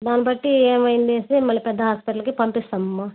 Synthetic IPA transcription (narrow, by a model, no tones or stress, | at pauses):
d̪aːnibɐʈːieːmɐjind̪eːsemːɐɭːipɛd̪ːɐɦaːspiʈɐlɐkipɐmpist̪ɐmːɐ